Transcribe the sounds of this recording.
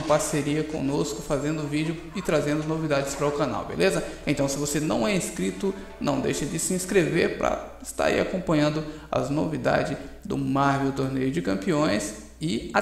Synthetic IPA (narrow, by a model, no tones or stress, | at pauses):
paɾseɾiɐkõ̰noskʊfazẽnd̪ʊvid͡ʒɪʊ | ɪt̪ɾazẽnd̪ʊnovid̪ad͡ʒɪspɾɐʊkana̰wbḛlezɐẽt̪ɐ̃w̃sɪvosenɐ̰̃w̃ɛĩskɾit̪ʊ | nɐ̃w̃d̪ḛjʃɐd͡ʒɪsɪĩskɾeveɾpɾɐ̰ɪst̪a̰ɾḭa̰kõmpɐ̃ɲɐ̃nd̪ʊ | ɐ̰znovid̪a̰d͡ʒɪ | d̪ʊ̰maɾvewt̪oɾnejʊd͡ʒɪkɐ̃mpiõj̃s | ɪa